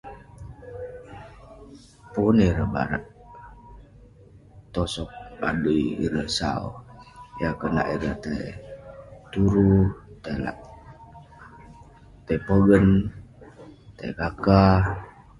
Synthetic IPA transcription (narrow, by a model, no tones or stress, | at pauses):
puniɾəba̰ɾa̰ʔ | t̪ɔsɔk̚ba̰dujḭɾəhsa̰o̰jakəna̰ʔiɾəht̪aj | t̪uɾut̪ala̰ʔ | t̪apəɡən | t̪a̰jkaka